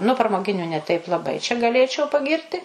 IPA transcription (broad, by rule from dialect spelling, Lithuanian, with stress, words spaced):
nʊ prɐmoːˈɡʲɪnʲʊ nʲɛ ˈtʲɛɪp lˠɐˈbɐɪ t͡ʃʲɛ ɡɐˈlʲeːt͡ʃʲɛʊ pɐˈɡʲɪrʲtʲɪ